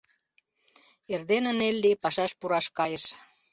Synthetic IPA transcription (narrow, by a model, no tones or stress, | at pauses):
erd̪enənelːipɑʃɑʃpuɾɑʃkɑjəʃ